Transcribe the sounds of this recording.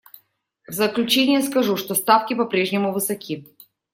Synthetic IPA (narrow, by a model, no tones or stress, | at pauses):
vzəklʲʉt͡ɕenʲɪjəskɐʐuʂt̪ost̪afkʲɪpɐpɾʲeʐnʲɪmʊvɨsɐkʲʰi